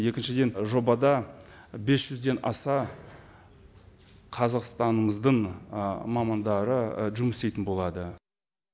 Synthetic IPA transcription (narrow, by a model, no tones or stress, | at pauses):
je̞kʲɪnʃɪd̪e̞nʒo̞bɑd̪ɑ | be̞sʒ̥ʏzd̪e̞nɑ̰sɑ | qʰɑzɑqst̪ɑnəɴəzd̪əɴ | mɑmɑnd̪ɑɾəʒʊmɪst̪e̞jt̪ɪnbo̞lˠɑd̪ə